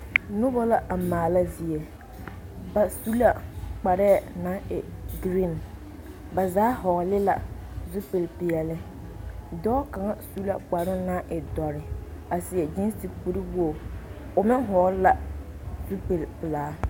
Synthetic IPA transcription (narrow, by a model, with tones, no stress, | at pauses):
nʊ˦bɔ˦la˨ʔa˨maː˨la˦zi˨e˨ | ba˨su˦la˨k͡pa˨ɾɛ˦˨na˦ɪ˨ɡɾĩ˦˨n | ba˨zaː˦hɔ˨ɣlɪ˦la˨zu˦pe˨lpɪ˨ɛ˨lɪ˦ | dɔː˦ka˨ŋa˦su˦la˨k͡pa˨ɾʊ˦na˦ʔɪ˨dɔ˨ɾɪ˨a˨sɪ˨ɛ˨d͡ʒɪ˦n˦ti˨ku˦ɾi˦wu˦o˨ | ʊ˨mɪ˦ŋ˦ɦɔ˨˦la˨ | zu˦pe˨lpɪ˨laː˨˦